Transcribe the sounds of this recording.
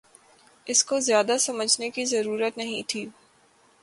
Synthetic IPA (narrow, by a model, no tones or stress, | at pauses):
ɪskozjaːd̪asɐməd͡ʒnekizɐɾuːɾət̪nɐɦĩt̪ʰiː